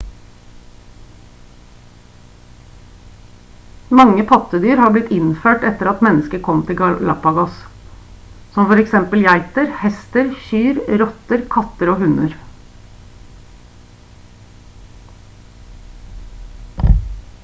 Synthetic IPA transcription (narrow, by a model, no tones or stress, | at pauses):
mɑŋəpʰɑt̪əd̪yːɾhɑːblɪt̪ːɪnføːʈɛt̪əɾɑt̪mɛnəskəkʰɔmt̪ʰɪlɡɑlɑ̰pɑɡɑs | sɔmfɔɾɛksɛmpəljæɪt̪əɾhɛst̪əɾçyːɾɾɔt̪əɾkʰɑt̪əɾoːhʉnəɾ